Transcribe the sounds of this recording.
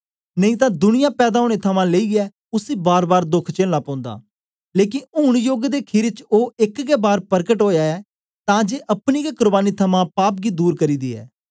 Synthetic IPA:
nəĩːt̪ãːd̪ʊnɪjãːpɛːd̪aːoːɽeːt̪ʰəmãːleiːɡɛː | ʊsiːbaːɾbaːɾd̪ʊkʰt͡ʃeːllaːpãːnd̪a̰ː | leːk̬ɪnʊñjoːɡd̪eːkʰɪɾt͡ʃoːɪkɡeːbaːɾpəɾkəʈɦoːjaːɛː | t̪ãːd͡ʒeːʔəpniːɡekʊɾbaːniːt̪ʰəmãːpaːpɡiːd̪uːɾkəɾiːd̪iːɛ̰ː

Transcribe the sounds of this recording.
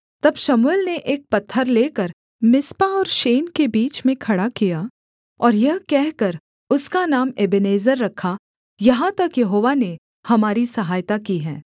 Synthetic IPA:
t̪ɐbʃɐmulneʔeːk̚pɐt̪ʰːəɾleːkəɾ | mɪspaɔːɾʃeːnkebiːt͡ʃmẽkʰɐɽakijaː | ɔːɾjɐɦkɛɦkɐɾ | ʊskanaːmeːbɪneːzəɾːɐkʰːa | jɐɦãt̪ɐkjɐɦoːʋane | hɐmaːɾisɐɦaːjt̪akiɦɛ̃ː

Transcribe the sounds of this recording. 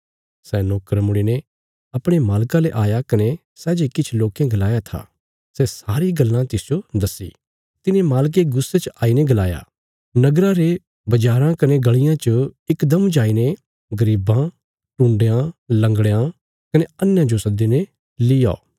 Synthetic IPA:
sɛnoːkəɾmʊɽ̃ine | ɐpɽ̃emaːlkãleʔaːjakɐne | sɛːd͡ʒekɪt͡ʃʰloːkjãɡɐlaːjat̪ʰa̰ː | sɛsaːɾiɡɐlːãt̪ɪsd͡ʒod̪ɐsːḭː | t̪ɪnemaːlk̬eɡʊsːet͡ʃʔaːineɡɐlaːja̰ | nɐɡɾaɾe | bɐd͡ʒaːɾãkɐneɡɐɭɪjãt͡ʃəɪkd̪ɐmd͡ʒaːine | ɡɐɾiːbã | ʈũːɳɖejãlɐ̃ŋɡɽɭejã | kɐneɐnjãd͡ʒosɐd̪ine | lɪja̰o

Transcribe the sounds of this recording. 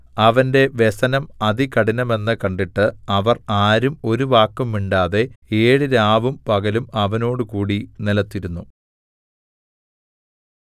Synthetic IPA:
ɐʋɐnde̞ʋe̞sɐnɐmɐðikɐɽinɐme̞nːɨkɐɳɖiʈːɨɐʋɐraːɾumo̞ɾuʋaːkːumːiɳɖaːðe̞eːɽɨɾaːʋumpɐɣɐlumɐʋɐno̞ːɽɨkuːɽinilɐt̪ːiɾunːu

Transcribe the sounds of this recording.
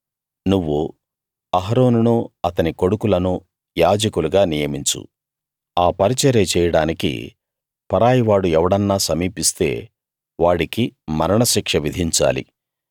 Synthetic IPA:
nuʋːu | ɐɦɐɾo̞ːnunuɐt̪ɐniko̞ɽukulɐnu | jaːd͡ʒɐkuluɡaːnijɐmiɲt͡ʃṵ | aːpɐɾit͡ʃɛɾeːt͡ʃɛːjɐɽaːnikḭ | pɐɾaːjiʋaːɽuɛʋɐɽɐnːaːsɐmiːpist̪e̞ː | ʋaːɽikimɐɾɐɳɐʃikʂɐʋid̪ʱiɲt͡ʃa̰ːlḭ

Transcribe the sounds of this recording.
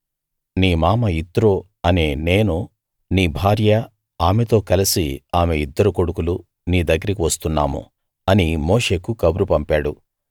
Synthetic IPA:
niːmaːmɐit̪ːɾoː | ɐneːne̞ːnu | niːbʱaːɾjɐ | aːmet̪o̞ːkɐlisiaːmeid̪ːɐɾukoɽukulu | niːd̪ɐɡːɐɾɐkiʋɐst̪unːa̰ːmṵ | ɐnimoːʂe̞ːkukɐbɾupɐmpaːɽu

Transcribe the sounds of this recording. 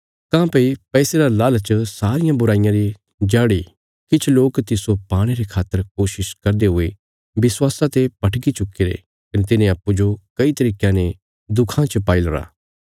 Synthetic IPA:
kãːpɐipɛːseɾalaːlt͡ʃəsaːɾɪjãbʊɾaːɪjãɾi | d͡ʒaːɽi | kɪt͡ʃʰloːkt̪ɪsopaːɽ̃eɾekʰaːt̪ːəɾkoːʃɪʃkɐɾd̪eɦʊe | bɪswaːsãt̪epɐʈʰɡit͡ʃʊkːeɾḛ | kɐnet̪̬ɪnẽɐpːud͡ʒokɐit̪ɐɾiːkãne | d̪ʊkʰãt͡ʃəpaːilɾa̰ː

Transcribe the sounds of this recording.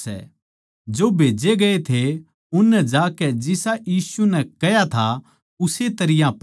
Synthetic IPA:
ɛ̰ | d͡ʒoːbʱeːd͡ʒeɡɐet̪ʰe | ʊnːɛd͡ʒaːkɛd͡ʒɪsajiːsunɛkɐjat̪ʰa | ʊset̪ɐɾɪjãp

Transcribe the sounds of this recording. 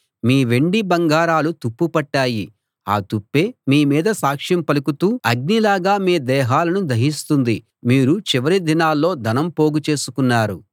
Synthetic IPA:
miːʋe̞ɳɖibɐŋɡaːɾaːlut̪upːupɐʈːaːji | a̰ːt̪upːe̞ːmiːmiːd̪ɐsaːkʂjɐmpɐlukut̪uːɐɡ̚nilaːɡaːmiːd̪ɛːɦaːlɐnud̪ʱɐɦist̪und̪i | miːɾut͡ʃiʋɐɾid̪inaːlːo̞ːd̪ʱɐnɐmpo̞ːɡut͡ʃe̞ːsu̥kunːaːɾu

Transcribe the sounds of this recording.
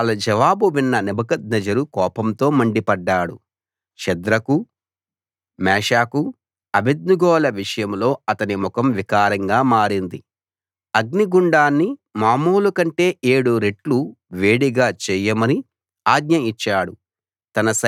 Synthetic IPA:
ɐlɐd͡ʒɐʋaːbuʋinːɐnibɐkɐd̪̚nɐd͡ʒɐɾukɔːpɐmt̪o̞ːmɐɳɖipɐɖːaːɽṵ | ʃɐd̪ɾɐku | mɛːʂaːku | ɐbed̪̚nuɡɔːlɐʋiʂɐjɐmlo̞ːɐt̪ɐnimukɐmʋikaːɾɐŋɡaːmaːɾind̪i | ɐɡniɡuɳɖaːnːimaːmuːlukɐɳʈe̞ːeːɽuɾe̞ʈluʋeːɽiɡaːt͡ʃɛːjɐmɐni | aːɡɲɐit͡ʃːaːɽu | t̪ɐnɐsɐ

